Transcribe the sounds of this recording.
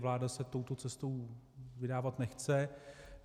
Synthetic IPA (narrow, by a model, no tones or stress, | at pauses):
vlaːdasɛt̪owt̪o̞t͡sɛst̪ow | vɪdaːvat̪nɛxt͡sɛ